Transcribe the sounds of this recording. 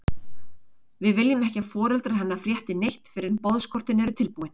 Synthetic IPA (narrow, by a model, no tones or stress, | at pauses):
vɪðvɪljɪmɛhcafɔːɾɛlt̪ɾaɾhɦanːafɾjɛht̪ɪnejht̪fɪɾɪɾpɔðskʰɔr̥t̪ɪnɛɾʏt̪ʰɪlpuːwɪn